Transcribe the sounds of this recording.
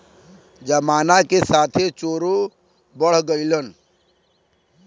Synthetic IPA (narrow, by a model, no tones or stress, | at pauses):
d͡ʒəmaːnakesaːt̪ʰet͡ʃoːɾo | bəɽ̤ɡəɪlən